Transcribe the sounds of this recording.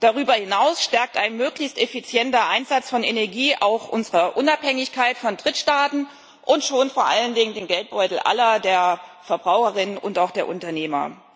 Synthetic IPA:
d̥aʁ̞yːbɐhɪnaʊsʃtɛɐk̚taɪnmøːklɪçstɛfit͡sjɛntɐʔaɪnzat͡sfɔnenɛɐɡiːʔa̰ʊxʔʊnzəʁɐʔʊnaphɛŋɪçkʰaɪtfɔndʁɪtʃtaːtn̩ | ʔʊntʃoːnfoːɐʔa̰ləndɪŋəndeːnɡɛlt̚b̥ɔʏtl̩ʔa̰lɐdeːɐfɛɐbʁaʊxəʁɪnənʊ̰ntaʊxd̥eːɐʔʊntɐneːmɐ̰

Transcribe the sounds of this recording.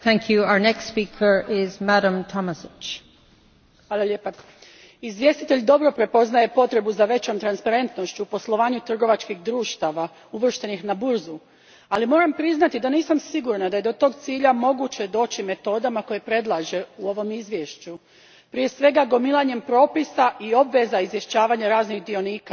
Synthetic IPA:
θæ̃ŋkʰjuaʊə˞nɛkstspikʰə˞ɪzmæɾə̃mtʰɑməsɪt͡ʃ | xʋaːlaʎeːpa | izʋje̞st̪it̪e̞ʎd̪o̞bɾopɾe̞po̞znaje̞po̞t̪ɾe̞buzaʋe̞t͡ɕo̞ːmt̪ɾanspaɾe̞nt̪no̞ʃt͡ɕupo̞slˠo̞ʋaːɲut̪r̩ɡo̞ʋat͡ʃkixd̪ɾuːʃt̪aʋa | uʋr̩ʃt̪e̞nixnabuɾzu | alimo̞ːɾampɾiznat̪id̪aniːsamsiɡuɾnad̪ajed̪o̞t̪o̞ːɡt̪siːʎamo̞ɡut͡ɕe̞d̪o̞ːt͡ɕime̞t̪o̞ːd̪amako̞jepɾe̞d̪lˠaʒe̞uo̞ʋo̞mizʋje̞ʃt͡ɕu | pɾije̞sʋe̞ɡaɡo̞milˠaɲe̞mpɾo̞ːpisaʔio̞bʋe̞zaizʋje̞ʃt͡ɕaːʋaɲaɾaːznixd̪io̞niːka

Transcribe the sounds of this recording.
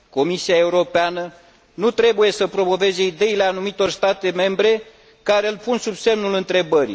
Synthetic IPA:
ko̞misiae̞uɾo̞peanə | nut̪ɾe̞buje̞səpɾo̞mo̞ve̞ze̞id̪e̞ile̞anumit̪o̞rst̪at̪e̞me̞mbɾe̞ | kaɾe̞ɨlpunsubse̞mnulɨnt̪ɾe̞bəɾḭ

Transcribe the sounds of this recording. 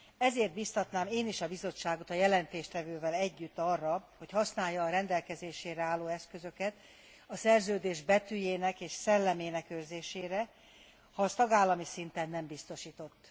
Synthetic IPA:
ɛzeːrt̪̚bist̪ɒt̪naːmeːniʃɒbizo̞t͡ʃːaːɡo̞t̪ɒjɛlɛnt̪eːʃt̪ɛvøːvɛlɛɟːyt̪ːɒrːɒho̞chɒsnaːjːɒːɾɛnd̪ɛlkɛzeːʃeːɾɛaːlːoːɛskø̞zø̞kɛt̪ | ɒsɛrzøːd̪eːʒbɛt̪yjeːnɛkeːʃsɛlːɛmeːnɛkørzeːʃeːɾɛ | hɒːst̪ɒɡaːlːɒmisint̪ɛnːɛmbist̪o̞ʃiːt̪o̞t̪ː

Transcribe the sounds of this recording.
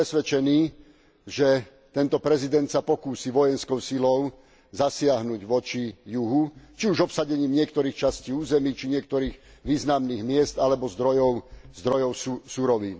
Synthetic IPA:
ɛsʋɛt͡ʃɛniː | ʒɛ | t̪ɛnt̪ɔpɾɛzid̪ɛnt̪sapɔkuːsiʋɔjɛnskɔʊsilɔʊ | zasɪaɦnuɟʋɔt͡ʃijuɦut͡ʃiuʒɔpsaɟɛɲiːmɲɪɛkt̪ɔɾiːxt͡ʃasciːuːzɛmiːt͡ʃiɲɪɛk̚t̪ɔɾiːɣʋiːznamniːɣmɪɛzt̪alɛbɔzd̪ɾɔjɔʊzd̪ɾɔjɔʊsuɾɔʋiːn

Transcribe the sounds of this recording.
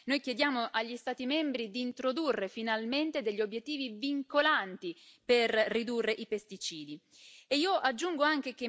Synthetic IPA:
nojkjed̪jaːmoʔaʎːist̪aːt̪imembɾid̪iːnt̪ɾod̪urːefinalment̪ed̪eʎːiobjet̪ːiːviviŋkolant̪iperːid̪urːeʔipest̪it͡ʃiːd̪i | eiːoʔad͡ʒːuŋɡoaŋk̟eke

